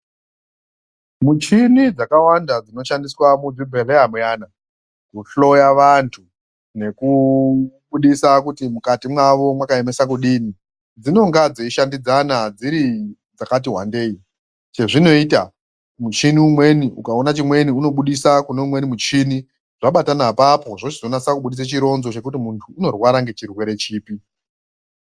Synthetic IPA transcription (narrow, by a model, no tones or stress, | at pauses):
mut͡ʃinid͡zakawandad͡zino̞ʃandiswamud͡zibʱereamujaːna | kuɬo̞jaʋantʰu | ne̞ku | ɓuɗisakutimukatimwaʋo̞mwakaemesak̬uɗiːni | d͡zino̞ŋɡad͡zeiʃandid͡zanad͡ziɾi | d͡zakat̬iɦwa̰nde̞ːi | t͡ʃe̞ʐino̞ita | mut͡ʃiniumwe̞niʔukaonat͡ʃimwe̞niuno̞ɓuɗisakuneumwe̞nimut͡ʃini | ʐaɓatanapapo̞ʐot͡ʃizo̞naisakuɓuɗis̬at͡ʃiɾo̞nzo̞t͡ʃe̞kutimuntʰuːno̞rwaɾaŋɡe̞t͡ʃirwe̞ɾe̞t͡ʃiːpi